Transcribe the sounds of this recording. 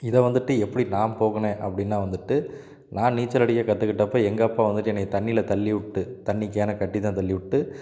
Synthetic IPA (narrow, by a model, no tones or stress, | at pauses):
ɪðɛʋɐnd̪ɯʈːɯɛpːɐɽinaːmpoːɣɐnẽːʔɐpːɐɽɪnːaːʋɐnd̪ɯʈːɯ | naːniːt͡ʃːɐlɐɽɪkːɐkɐt̪ːɯkɪʈːɐpːoːɛŋɡɐːpːaːʋɐnd̪ɯʈːɯɛnːɐkːt̪ɐɳːɪlɐt̪ɐɭːɪʋʊʈːɯt̪ɐɳːɪkːɐjaːnɐkɐʈːit̪ãːt̪ɐlːɪʋʊʈːɯ